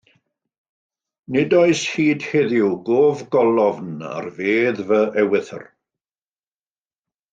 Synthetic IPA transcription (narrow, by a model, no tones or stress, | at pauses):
nɪdɔɨshiːd̥heðjuwɡoːvɡɔlˠɔvna̰rveːðvəʔɛwɪθə̰r